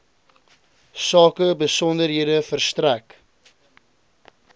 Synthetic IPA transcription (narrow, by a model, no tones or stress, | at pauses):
sɑːkəbəsɔndərɦiədəfərstræk